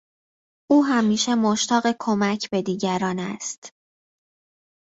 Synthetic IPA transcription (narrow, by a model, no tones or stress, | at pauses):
ʔuːɦæmiːʃe̞moʃt̪ʰɒːɢekʰomæcʰbe̞d̪iːɟæɾɒːnæst̪